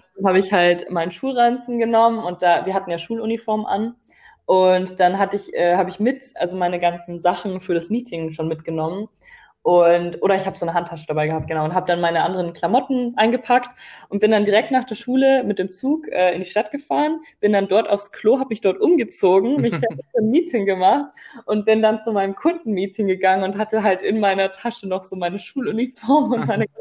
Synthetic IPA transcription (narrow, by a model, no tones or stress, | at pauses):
d̥anɦaːbəɪçhaltmaɪnəʃuːlʁant͡sn̩ɡənɔmənʊnt̚d̥aːviːɐhatn̩jaːʃuːlunifɔɐmʔa̰n | ʔʊntd̥anɦatəɪçʔɛːhaːbəɪçmɪtʔalzomaɪnəɡant͡sn̩zaχn̩fyːɐɾasmiːtʰɪŋʃoːnmɪt̚ɡ̥ənɔmən | ʔʊntʔoːɾɐɪçhaːbəzoːnəɦantʰːaʃəd̥abaɪɡəɦaːp̚tɡ̥ənaʊʊnthaːbəd̥anmaɪnəʔandəʁənkʰl̥amɔtn̩ʔaɪnɡəpʰaktʔʊnt̚b̥ɪndandiʁɛk̚tnaːχd̥eːɐʃuːləmɪt̚d̥eːmt͡suːkʔɛːɪndiːʃtat̚ɡ̥əfaːʁənb̥ɪndandɔɐtaʊfskʰl̥oːɦaːbəmɪçd̥ɔɐtʔʊmɡət͡soːɡŋ̩mɪç̥aomiːtʰɪŋɡəmaχtʔʊnt̚b̥ɪndant͡sumaɪnəmkʰʊndn̩miːtʰɪŋɡəɡaŋənʊnthatəɦaltɪnmaɪnɐtʰaʃənɔχz̥oːmaɪnəʃuːlʊnifɔɐmʊntmaɪnə